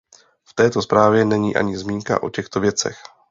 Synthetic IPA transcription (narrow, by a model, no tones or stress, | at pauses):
ft̪ɛːt̪o̞spɾaːvjɛnɛɲiːʔa̰ɲɪzmiːŋka̰ʔo̞̰cɛxt̪ovjɛt͡sɛ̰x